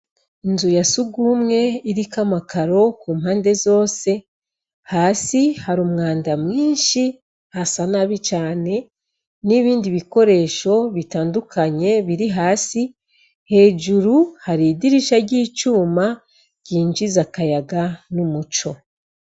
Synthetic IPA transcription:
inzujasuɡumŋe̞iɾikamakaɾo̞kuːmɦaːnde̞zo̞ːse̞ | haːsihaɾumŋaːndamŋiːnʃi | hasanaβit͡ʃaːne̞ | niβiːndiβiko̞ɾe̞ːʃo̞βitaːndukʰaɲe̞βiɾiɦaːsi | he̞ːd͡ʒuɾuhaɾidiɾiʃaɾɟiːt͡ʃuːma | ɟ̥iːɲd͡ʒizakajaɡanumut͡ʃo̞

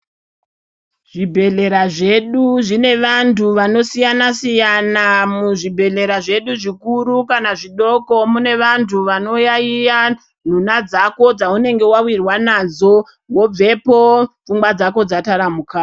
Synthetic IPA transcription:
ʐibʱe̞ɮe̞ɾaʐe̞ɗuʐine̞ʋantʰuʋano̞sijanasijanamuʐibʱe̞ɮe̞ɾaʐe̞ɗuʐikuɾukanaʐiɗo̞ko̞mune̞ʋantʰuʋano̞jaija | n̤unad͡zako̞d͡zaune̞ŋɡe̞wawirwanad͡zo̞ | wo̞b͡ve̞pofumbwad͡zako̞d͡zataɾamukaː

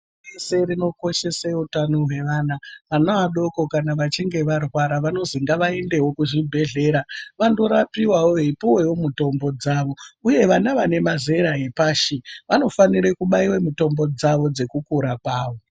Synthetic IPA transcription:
ese̞rino̞ko̞ʃe̞seutanoɦwe̞ʋaːnaanoaɗo̞ko̞kanaʋat͡ʃiŋɡe̞ʋarwaɾaʋano̞ziŋɡaʋae̞nde̞wo̞kuʐibʱe̞ɮe̞ɾaʋando̞ɾapiwawoepuwe̞jomuto̞mbo̞d͡zaʋo̞uje̞ʋanaʋane̞mazeɾaɦipaːʃiʋano̞faniɾekuɓaiwemito̞mbo̞d͡zaʋo̞d͡ze̞kukuɾakwaːʋo

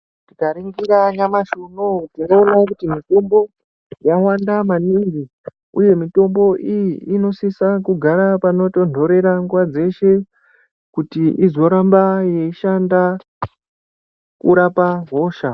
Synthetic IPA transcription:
tikaɾiŋɡiɾaɲamaʃonotinoːnakutimito̞mbo̞ | jawandamaniŋɡi | uje̞mito̞mbo̞ʔijiːno̞sisakuɡʱaɾapano̞to̞ndʱo̞ɾe̞ɾaŋɡwad͡ze̞ʃe̞ | kutiʔizo̞ɾambaje̞iʃanda | kuɾapaɦo̞ːʃa

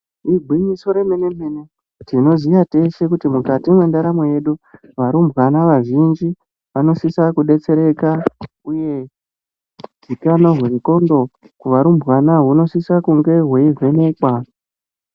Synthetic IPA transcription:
iɡʱwiɲiso̞ɾe̞mene̞mene | tino̞zijate̞ʃe̞kutimukatimwe̞ndaɾamweje̞ɗu | ʋaɾumbwanaʋaʒind͡ʒi | ʋano̞sisakuɗe̞t͡se̞ɾe̞ka | uje̞ | d͡zikano̞ɦweko̞ndo̞ | kuʋaɾumbɣwanaɦuno̞sisakuŋɡe̞ɦwe̞ive̞ne̞kwa

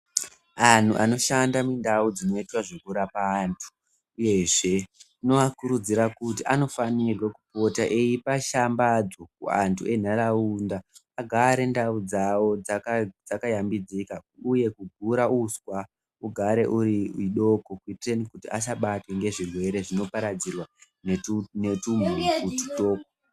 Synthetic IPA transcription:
an̤ṵʔano̞ʃandamindaud͡zino̞itwaʐekuɾapaːntʰu̥ | uje̞ʐe̞ | no̞akuɾud͡ziɾakutiʔano̞fanirweku̥po̞taʔejipaʃambad͡zok̚ṵa̰ntʰuʔe̞n̤aɾaundaː | ɡʱaɾe̞ndaud͡zawo̞d͡zaad͡zakajambid͡zikauje̞kuɡʱuɾauskwa | uɡʱaɾe̞ʔuɾiiɗo̞kokwitrenikutiʔaʃ̬aɓatwe̞ŋɡe̞ʐirwe̞ɾe̞ʐino̞paɾad͡zirwa | nene̞tumukutu̥to̞ːko

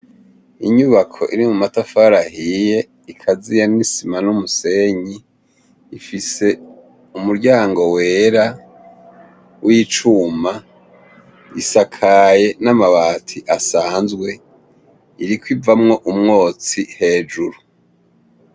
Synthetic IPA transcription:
iɲuβakʰo̞̰ʔiɾimumatafaɾahije̞ | ikʰazijanisimanumuse̞ɲiː | fise̞ | umuɾɟaːŋɡo̞weːɾa | wʔit͡ʃuma | isakʰaje̞namaβaːtʰiʔasaːnzɡwe̞ | iɾikwivamŋo̞ʔumŋo̞ːt͡sihe̞ːd͡ʒuɾu

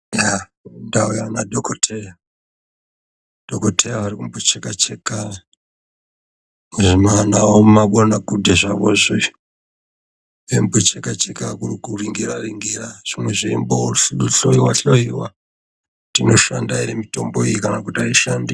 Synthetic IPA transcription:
jandaujanadʱokotʰeja | d̥okotʰejaʋaɾikumbot͡ʃekat͡ʃeka | ʐimanaomaɓonakudʱeʐaʋoʐo | embot͡ʃekat͡ʃekakurikuriŋɡiɾariŋɡiraʐ̥imwe̞ʐiimboɬɬoiwaɬoiwa | tino̞ʃandainemito̞mboijikanakutariʃandi

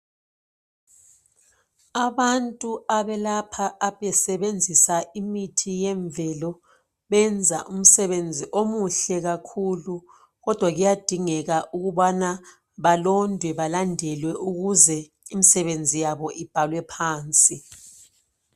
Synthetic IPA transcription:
aβantʼuaβɛlapʰaʔːβɛsɛβend͡zʱisaimitʰijɛɱvʱɛlɔ | βɛnd͡zʱaʔum̩sɛβend͡zʱiʔomuɬɛɣakʰulu | ɣɔd̥ʱwaɣujad̥ʱiŋɛɣaʔuɣuβana | βalɔndʱwɛβalandʱɛlwɛʔuɣuzɛ | imisɛβend͡zʱijaβɔʔib̥ʱalwɛpʰaːnt͡sʼi

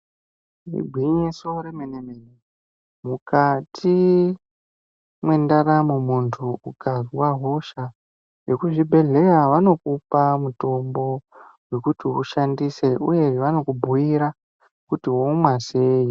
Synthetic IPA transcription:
rḭbʱwiɲesoɾemenemene | mukatʰi | mwe̞ndaɾamumuntʰuukʰazwaɦo̞ʃa | ʐe̞kuʐibʱe̞ɮe̞jaʋano̞kupamuto̞mbo̞we̞kutiṵʃandise̞ṵje̞ʋano̞kubʱuiɾa | kutiwomwaseːji

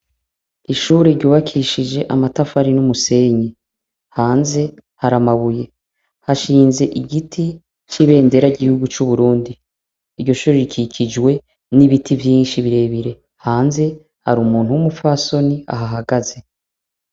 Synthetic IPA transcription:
iʃuːɾeɾɟuːβakʰiʃid͡ʒe̞ʔamatafaɾinumuse̞ːɲi | haːnze̞haɾamaβuje̞ | haʃiːnze̞ʔiɡitʰi | t͡ʃiβe̞ːnde̞ɾaɟihuɡut͡ʃuβuɾuːndi | iɾɟo̞ʃuːɾeɾikʰicʰid͡ʒwe̞ | niβitʰivjiːnʃiβiɾe̞βiɾe̞ | haːnze̞ | haɾumuːn̥huwumufaso̞nia̰ɦaɦaɡaze̞

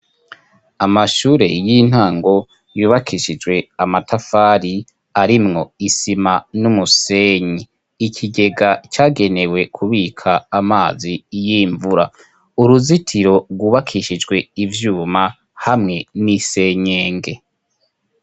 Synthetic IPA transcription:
amaʃuːɾe̞̰jin̥haːŋɡo̞ | juːβakʰiʃid͡ʒɡwe̞amatʰafaɾi | aɾimŋo̞isimanumuseːɲi | ikʰiɡe̞ɡat͡ʃaːɡe̞ne̞we̞kʰuβiːkʰaːmaːzijiːɱvuɾa | uɾuzitʰiɾo̞ɾɡuːβakʰiʃid͡ʒɡwe̞ivjuːma | hamŋe̞nise̞ːɲeːŋɡe̞

